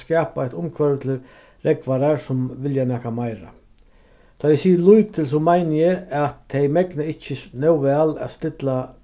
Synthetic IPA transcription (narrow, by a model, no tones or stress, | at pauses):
skɛːpaat̪ʊmkʰvœɾət̪ʰɪ | ɾɛkʋaɾaɾsʊmʋɪljanɛːkamajɾa̰ | t̪ʰɔjɛsiːəɾlujt̪ʰɪls̬ʊmajnəjɛat̪ʰːɛjmɛknəɪht͡ɕːənœwvɛala̰ðst̪ɪt̪la